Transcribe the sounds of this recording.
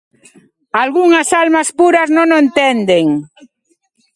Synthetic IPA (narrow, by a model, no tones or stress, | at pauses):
alɣuŋɐsalmaspuɾɐznõŋoent̪ɛnd̪eŋ